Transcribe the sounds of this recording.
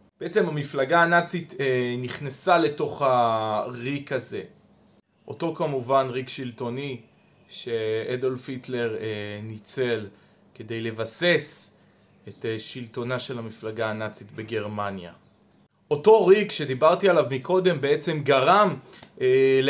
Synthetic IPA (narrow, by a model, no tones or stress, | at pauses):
b̥eet͡se̞mhamiflaɡaːnat͡sit̪eniχnesale̞to̞χhaʁikaze̞ | ʔo̞to̞kamuvanʁiɡʃilto̞ni | ʃe̞ed̪olfitle̞ʁenit͡se̞l | ke̞de̞jle̞vase̞s | eteʃilto̞naʃe̞lhamiflaɡaːnat͡sitbe̞ɡe̞ʁmanja̰ | o̞to̞ʁikʃe̞d̪ibaʁtialavmikʰo̞de̞mbe̞e̞t͡se̞mɡaʁamel